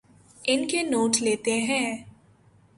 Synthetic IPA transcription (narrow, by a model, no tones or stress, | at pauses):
ɪnkenoːʈleːt̪eɦɛ̃ː